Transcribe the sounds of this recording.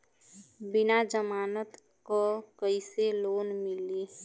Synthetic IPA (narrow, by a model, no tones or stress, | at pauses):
bɪnad͡ʒəmaːnət̪ | kokəɪseloːnmɪli